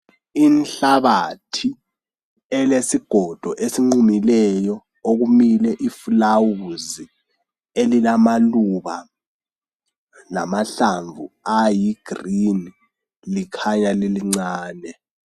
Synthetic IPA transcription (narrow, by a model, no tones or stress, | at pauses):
inɬaβatʰi | ɛlesiɡ̥ʱɔd̥ʱɔʔesiŋ͡ǀumilɛjɔ | oɣumilɛʔifulawuzi | elilamaluβa | la̰maɬaɱvṵajiɡ̥ʱrini | likʰaɲaliliŋ͡ǀaːnɛ